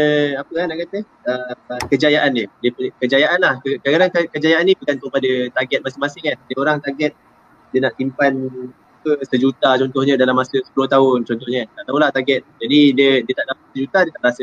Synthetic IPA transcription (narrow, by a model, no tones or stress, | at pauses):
əapəkanaʔkat̪ə | əmkəd͡ʒajaʔandədiəpuɲkəd͡ʒajaʔanlahkəkkadaŋkakəd͡ʒajaʔanĩbukant̪upadət̪aɡɛt̪̚masɪŋmasɪŋahdəoɾaŋt̪aɡɛt̪̚ | diənaʔsimpan | ukəsəd͡ʒut̪at͡ʃɔnt̪ɔhɲə̃dalamasəsə̥pulʊht̪aʊnt͡ʃɔnt̪ɔhɲətat̪awlat̪aɡɛt̪̚d͡ʒadidiədiət̪aʔdapasəd͡ʒut̪adiət̪aʔɾasə